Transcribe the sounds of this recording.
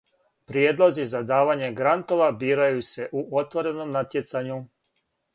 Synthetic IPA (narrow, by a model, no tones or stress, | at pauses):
pɾjed̪lˠozizad̪aːʋaɲe̞ɡɾant̪o̞ʋabiːɾajuse̞ʔuʔo̞t̪ʋo̞ɾe̞no̞mnat̪jet̪saɲu